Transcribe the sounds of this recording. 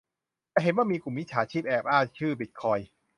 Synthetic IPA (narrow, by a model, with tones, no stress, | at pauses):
t̪ɛː˧˩ɦe˨˩˦nwaː˥˩miː˧ku˨˩mːi˥t͡ɕʰaː˩˦t͡ɕʰiː˥˩p̚ʔɛː˧˩p̚ʔaː˥˩t͡ɕʰɯː˥˩bi˨˦˩t̪̚kʰɔː˧j